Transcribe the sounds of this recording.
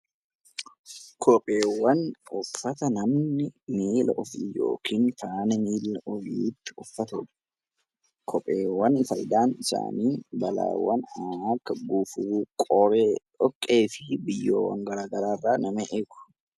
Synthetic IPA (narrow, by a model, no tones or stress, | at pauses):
kʰɔpʼe̞ːwːɐnʊfːɐt̪ɐnɐmnɪmiːlɐ̰ʔʊfɪjo̰ːkʰiːnfaːnɐmiːlːɐʔɔjiːt̪ːɪ̥ʊfːɐt̪ɔd̪̥ | kʰɔpʼeːwːɐnfɐjd̪aːnɪsa̰ːniːbɐla̰ːwːɐnaːkːɐɡuːfʊɾuːkʼɔɾeː | ɔkʼːe̞ːfɪbɪjːoːwɐ̰ŋɡɐɾaːɡɐɾaːrːaːnɐmeʔeːɡʊ̥